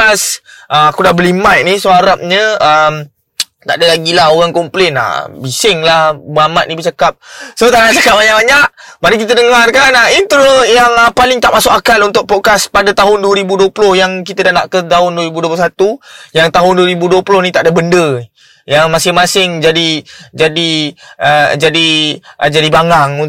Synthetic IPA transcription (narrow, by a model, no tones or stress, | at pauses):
asʔəakudahbəlimat̪̚nisoɦaɾap̚ɲəəm | t̪aʔdəlaɡilahoɣaŋkɔmplena̰bisɪŋlahbəamat̪̚nĩbət͡ʃakap̚sot̪anaʔt͡ʃakap̚baɲaʔ̚baɲaʔmaɾikit̪ədəŋarkanaint̪ɾojaŋəpalɪŋt̪aʔmasʊkakanunt̪ʊʔ̚pokaspadat̪aɦʊnduwəɾibuduəpulʊhjaŋkit̪ədahnaʔkət̪aɦʊnduəɾibuduəp̬losat̪ujaŋt̪aɦʊnduwəɾibuduəpulʊhnit̪aʔdəbəndə | jaŋmasɪŋmasɪŋd͡ʒadid͡ʒadiəd͡ʒadiʔd͡ʒadibaŋaŋu